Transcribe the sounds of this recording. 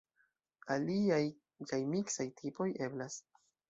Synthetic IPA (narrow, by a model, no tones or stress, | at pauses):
aliaj | kajmiksajtʰipo̞je̞blas